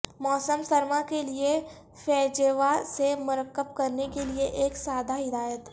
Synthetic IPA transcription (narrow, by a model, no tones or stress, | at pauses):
mɔːsəmsɐɾmakelie | fɛːd͡ʒeʋasemʊɾəkːəb̚kɐɾnekelieʔeːksaːd̪aɦɪd̪aːjət̪